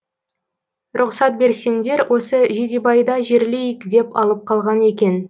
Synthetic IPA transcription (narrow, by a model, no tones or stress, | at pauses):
ɾʔʊqsɑt̪̚be̞ɾse̞nd̪e̞ɾwʔo̞səʒed̪ebɑjd̪ɑʒe̞ɾlejəkd̪e̞pɑ̰lˠəp̚qʰɑlˠʁɑne̞kʲe̞n